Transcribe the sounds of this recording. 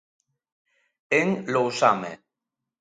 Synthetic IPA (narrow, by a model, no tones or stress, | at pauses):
eŋlowsamḛ